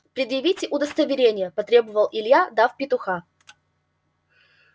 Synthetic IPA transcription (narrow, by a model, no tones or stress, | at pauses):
pɾʲɪd̪jɪvʲitʲɪʔʊd̪əst̪əvʲɪɾʲenʲɪjəpɐt̪ɾʲe̞bəvəlˠʔɪlʲjad̪afpʲɪt̪ʊxa